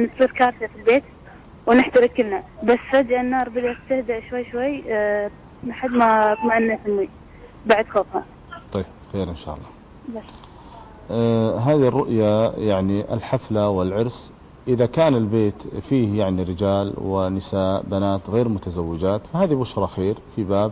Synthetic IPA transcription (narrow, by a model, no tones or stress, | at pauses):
nt̪sˤiːɾkɑːɾθafilbeːt̪ | wnɪħt̪aɾɪkːɪlnabasːfad̪janːɑːɾˤbɪd̪at̪t̪ːɪhd̪aʔʃwajːʃwajː | maħad̪mat̪ˤmaʕɪnːahamːi | baʕd̪xɑðˤhɑ̰ | t̪ˤɑjbxeːɾʔɪnʃa̰ːʔɑ̰lˤːɑː | bas | ɦaːðirˤːʊʔjajaʕniʔɪ̰lħaflawɪlʕʊɾs | ʔɪðakaːnɪlbeːt̪fiːhjaʕniɾɪd͡ʒaːlwɪ̰nɪsaːʔbanaːt̪ɣeːɾmʊt̪azawːɪd͡ʒaːt̪fahaːðibʊʃɾˤɑxeːɾfibaːb